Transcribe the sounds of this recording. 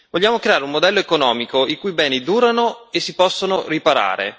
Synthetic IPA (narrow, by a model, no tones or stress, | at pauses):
voʎːaːmokɾeaːɾeumod̪ɛlːoekonɔːmikoikuːjbɛːnid̪uːɾanoesːipɔsːonoripaɾa̰ːɾḛ